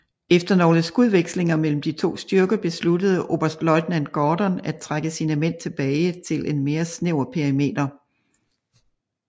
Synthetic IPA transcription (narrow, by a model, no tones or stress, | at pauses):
efd̥ɐno̝ːləsɡ̥uðˠʋeɡ̥sle̝ŋɐmel̰m̩d̥it͡sʰo̝̰ːsd̥yɐɡ̥ɐb̥e̝sludəð̞̩ˠʔo̝ːb̥ɐsd̥lɒ̽ɪd̥nænɡ̥ɒːd̥ɒnæ̥t͡sʰʁaɡ̥əsinəmen̰t͡sʰe̝b̥ɛːɪt͡sʰe̝lʔe̝nme̝ːɐsneʊ̰ɐpʰeɐʁime̝̰ːd̥ɐ